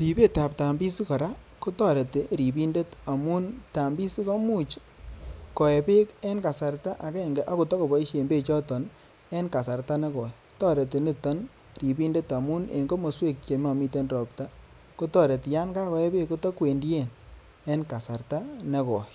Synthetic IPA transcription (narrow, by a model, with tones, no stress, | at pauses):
ɾi˨pe˦ta˨p̚ta˨mbi˦si˦kɔ˨ɾa˦ | ko˦tɔ˦ɾe˨te˨ɾi˨pi˦nde˦ta˨mu˦nta˨mbi˦si˦kɔ˦mu˦t͡ʃ | kɔ˨e˨pe˦ke˦nka˨sa˨ɾta˦ʔa˨ke˦˨ŋɡe˨ʔa˦ku˨tɔ˦ko˨bɔ˨˦i˦ʃe˨mbe˦t͡ʃɔ˦tɔ˨n | e˦nka˨sa˨ɾta˦ne˦kɔ˨ktɔ˦ɾe˨te˨ni˦tɔ˦n | ɾi˨pi˦nde˦ta˨mu˦nḛ˨nɡo˦mo˨swe˦k̚t͡ʃe˨ma˨mi˦te˦nɾɔ˨pta˦ | ko˦tɔ˦ɾe˨ti˨ja˦nka˦kɔ˨e˦pe˦kːo˦tɔ˦kwe˨ndi˦e˦˨n | e˦nka˨sa˨ɾta˦ne˦kɔ˨